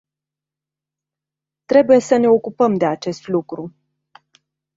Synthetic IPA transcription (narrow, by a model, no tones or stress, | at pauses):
t̪ɾe̞buje̞səne̞o̞kupəmd̪e̞at͡ʃe̞st̪lukɾu